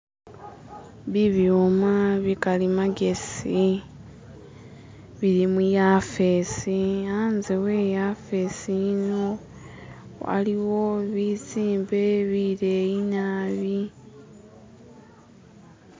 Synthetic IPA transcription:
βiβjomaβikalimaɡe̞si | βiɾimujafesiaːnziwe̞jafesijino | a̰liwo̞βit͡siːmbe̞βiɾejinaβi

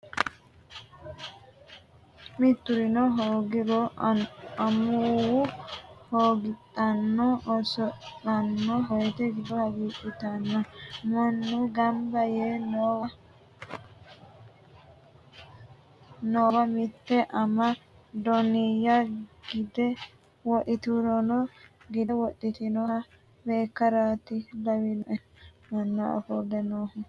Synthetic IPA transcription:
mɪt̪ːʊɾɪnɔɦoːɡɪɾɔ | ɐmuwʊhoːɡɪt̪ʼːɐnːɔsɔɐnːɔɦɔjt̪ɛɡɪd̪ɔhɐɡiːʔɪt̪ɐnːɔmɔnːuɡɐmbɐjeːɔwɐ | nowɐmɪt̪ːɛʔɐmɐ | d̪ɔnɪjɐɡɪd̪ɛ | wɔʔɪt̪uɾɔnɔ | ɡɪd̪ɛwɔɗɪt̪ɪnɔ | beːkːɐɾaːt̪ɪlɐwɪnɔʔɛ | mɐnːɔɐ̰fɔd̪ɛnoːhʊ

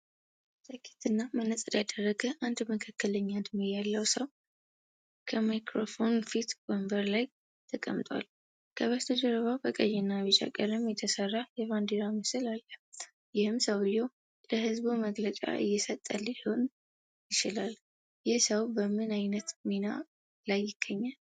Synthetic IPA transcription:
t̪ʼəkʰːe̥t̪ɨnːamənəsʼɨɾjad̪ərːəɡəʔand̪məkʰakːələɲːand̪mojalːəwsəw | kʰəmajkɾofo̞nfit̪wɔmbəɾlaj | t̪ʰəkʼə̰mt̪ʼwa̰l | kʰəβəst̪ʰod͡ʒəɾəβabəkʼəjɛnːaβɨt͡ʃʼa̰kʼəɾɨmjɛt̪ʰəsərːajɛβand̪iɾaməsɨlalːə | jɪhɨmsəwɨjːow | ləhɨzbuməɡlət͡ʃʼa̰ʔɨ̰jːɛsət̪ʼːəlɪhon | jɪt͡ʃɪlal | jɪsəwbəmɨnajnət̪mina̰ | lajːɪɡ̥ːəɲːal

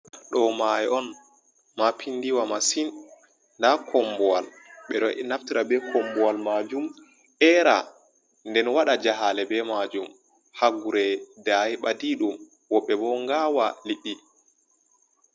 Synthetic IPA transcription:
ɗɔmajɛʔɔn | mapʰinːdiwamasin | ndakʰɔmbɔwal | ɓɛɗɔʔɛnaftiɾabɛkʰɔmbɔwalmad͡ʒum | ɛɾa̰ | ndɛnwaɗad͡ʒaɦalɛbɛmad͡ʒum | haɡuɾɛdahiɓadiɗum | wɔɓːɛbɔŋɡaːwaliɓːi

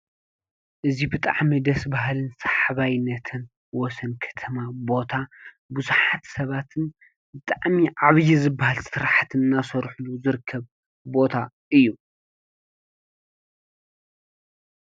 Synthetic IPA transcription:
ʔɨzibɨt̪ʼa̰ʕmid̪ɐsbaɦalɨnsḁħaβajnːɐt̪ʰɨn | wɔsɐnkʰɐ̥t̪ʰɐmabo̞t̪ʰa | buzuħat̪sɐβat̪ʰɨn | bɨt̪ʼaʕmiʕaβjizɨbːahalsɨɾħat̪ʰɨnɨnːasɐɾħuluzɨɾɨkʰːɐβ | bo̞t̪ʰa | ʔɨjːu

